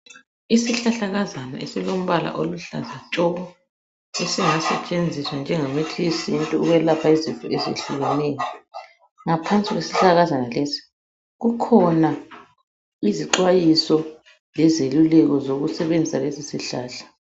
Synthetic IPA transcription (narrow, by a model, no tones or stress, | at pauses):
isiɬaɬaɣazana̰esilom̩βala̰ʔoluɬa̰zat͡ʃʼɔɣɔ | esiŋasɛt͡ʃʼend͡zʱiswand͡ʒʱɛŋametʰiisintʼuuɣwɛlapʰaizinfʼuezḛɬuɣɛnɛjɔ | ŋapʰant͡sʼiɣwesiɬaɣazanalesi̥ | ɣukʰɔna | iziǃwajisɔ | lɛzelulɛɣɔzoɣusɛβend͡zʱisalesisiɬaːɬḁ